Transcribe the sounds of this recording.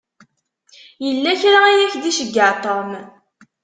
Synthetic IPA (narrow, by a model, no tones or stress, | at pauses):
jəlːæçɾaijæçðiʃəɡːəʕt̪ˤɑm